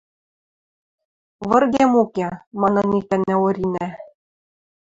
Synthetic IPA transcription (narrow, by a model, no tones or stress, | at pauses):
βɤ̆rɣʲemukʲemɑnɤnʲikæ̆nːæoɾʲinæ